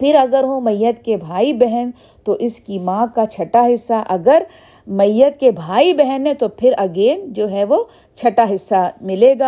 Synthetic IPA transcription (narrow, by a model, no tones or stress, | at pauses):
pʰɪɾɐɡəɾɦõmɐjːət̪kebʱaːibɛɦɛn | t̪oʔɪskimãːkat͡ʃʰɐʈaɦɪsːaʔɐɡəɾ | mɐjːət̪̚kebʱaːibɛɦɛnɦɛ̃t̪opʰɪɾɐɡeːnd͡ʒoːɦɛʋo | t͡ʃʰɐʈaɦɪsːamɪleːɡaː